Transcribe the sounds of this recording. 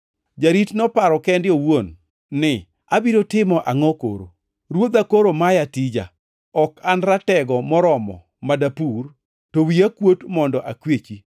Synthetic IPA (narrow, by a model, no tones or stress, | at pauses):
d͡ʒaɾitnɔpaɾɔkɛndɪowonː | ɪ | abiɾotɪmɔʔaŋɔko̰ɾo̰ | ɾwod̪akoɾomajatid͡ʒa̰ | ɔkanɾatɛɡɔmɔɾɔmɔ̰ | madapur | towiakwotmɔndɔʔakwet͡ʃi